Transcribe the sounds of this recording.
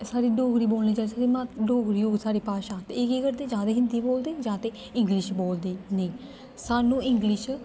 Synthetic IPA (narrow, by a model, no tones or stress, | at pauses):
saːɾiːɖoːɡɾiːboːlniːd͡ʒaːsaːɾeːmãɖoːɡɾiːoːɡsaːɾiːpaːʃaːt̪eɪkeːkəɾd̪eːd͡ʒãːd̪eːɦɪnd̪iːboːld̪eːd͡ʒãːt̪eː | ɪ̃ŋɡlɪʃboːld̪eːnəĩː | saːnũːɪŋɡlɪʃ